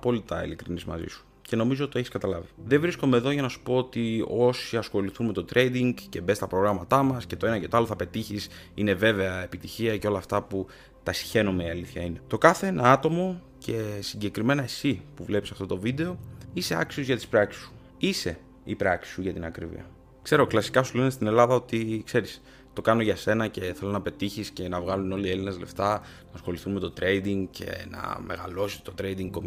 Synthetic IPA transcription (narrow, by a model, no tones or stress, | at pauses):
po̞lit̪ɐḭlikɾinizmɐ̰zḭsu̥ | ce̞no̞mizot̪t̪oeçiskɐt̪ɐlɐviðe̞vɾisko̞me̞ːðo̞ʝɐnɐsu̥po̞ot̪io̞siɐsxo̞liθunme̞t̪o̞t̪ɾʔe̞jd̪iŋɡce̞be̞st̪ɐpɾo̞ɣɾɐmɐt̪ɐmɐsce̞t̪o̞e̞nɐce̞t̪oɐlo̞θɐpe̞t̪içis | ine̞ve̞ve̞ɐe̞pit̪içiɐceo̞lɐːft̪ɐpu | t̪ɐsi̥çe̞numeiɐliθçɐine̞t̪o̞kɐθeenɐɐt̪o̞mo̞ | cʰe̞siɲɟe̞kɾime̞nɐesipuvle̞pisɐft̪o̞t̪ovid̪e̞o̞ise̞ɐ̰ksio̞zʝɐt̪ispɾɐksi̥su̥ | ise̞ | ipɾɐksi̥suʝɐt̪inɐkɾḭvḭɐ̰ | kse̞ɾo̞klɐsi̥kɐsule̞nest̪ine̞lɐðɐo̞t̪ikse̞ɾis | t̪o̞kɐno̞ʝɐse̞nɐce̞θe̞lo̞nɐpe̞t̪içisce̞nɐvɣɐluno̞lie̞linɐzle̞ft̪ɐ | nɐsxo̞liθunme̞t̪o̞t̪ɾe̞jd̪iŋɡcʰe̞̰nɐ̰me̞̰ɣɐ̰lo̞si̥t̪o̞t̪ɾejd̪iŋɡkom